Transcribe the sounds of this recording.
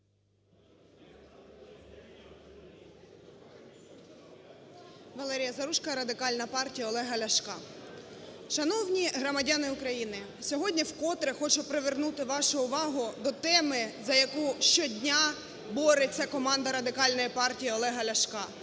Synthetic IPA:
ʋɐlˠɛɾʲijɐzɐɾuʃkɐɾɐd̪ɪkɑlʲnɐpɑrtʲijɐɔlˠɛɦɐlʲɐʃkɑ | ʃɐnɔwnʲiɦɾɔmɐdʲanɪʊkɾɐjinɪ | sʲɔɦɔdʲnʲiwkɔt̪ɾexɔt͡ʃʊpɾeʋernut̪ɪʋɑʃʊʊʋɑɦʊd̪ɔt̪ɛmɪzɐjɐkuʃt͡ʃɔdʲnʲa | bɔɾet͡sʲːɐkɔmɑnd̪ɐɾɐd̪ɪkɑlʲnɔjipɑrtʲijiɔlˠɛɦɐlʲɐʃkɑ

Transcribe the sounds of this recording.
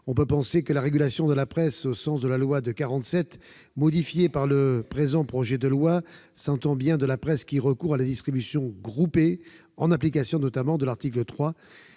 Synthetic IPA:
ɔ̃pøpɑ̃sekəlaʁeɡʲylasjɔ̃d̪əlapχɛsosɑ̃sd̪əlalwad̪əkaʁɑ̃t̪sɛt̪ | mɔd̪ifjepaʁləpχezɑ̃pχɔʒɛd̪əlwasɑ̃t̪ɑ̃bjɛ̃d̪əlapχɛskʲiʁəkuʁalad̪ist̪χibysjɔ̃ɡʁupe | ɑ̃naplikasjɔ̃nɔt̪amɑ̃d̪əlaʁt̪iklət̪χwa

